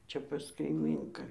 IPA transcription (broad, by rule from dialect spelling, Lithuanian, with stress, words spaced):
ˈt͡ʃʲɛ pɐs kɐɪˈmʲiːŋkɑː